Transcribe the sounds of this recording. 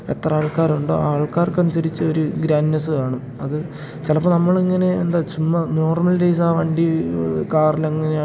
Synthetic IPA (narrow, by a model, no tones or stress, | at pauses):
et̪rɐaːɭkaːɾuɳɖo̰aːɭkaːrkɐnisɐɾit͡ɕːɐo̞ɾuɡɾaːnːɐsɨkaːɳɨ | ɐðɨ | t͡ɕelɐpːoːnɐmːɐɭiŋːɐne̞end̪aːt͡ɕumːɐno̞ːrmɐlɾejs̬aːʋɐɳɖikaːrilɐŋːɐne